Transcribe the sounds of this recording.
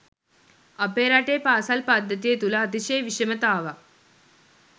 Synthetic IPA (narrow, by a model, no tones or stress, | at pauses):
ɐpeːɾaːʈːeːpaːsaːlpaːd̪ʱɐt̪ːijet̪ulɐːt̪iɕeːjʋiʂɐmɐt̪aːʋɐ